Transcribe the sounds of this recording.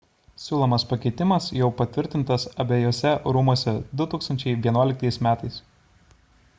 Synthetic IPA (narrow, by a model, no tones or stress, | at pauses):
sʲuːlˠomɐspɐkʲɛɪt̪ʲɪmɐsjɛʊpɐt̪ʲʋʲɪɾʲt̪ʲɪnt̪ɐsɐbʲɛjoːsʲɛɾuːmuɔsʲɛd̪ʊt̪uːkst̪ɐnʲt͡ʃʲɛɪʋʲiɛnuɔlʲɪk̚t̪ɐɪsmʲæːt̪ɐɪs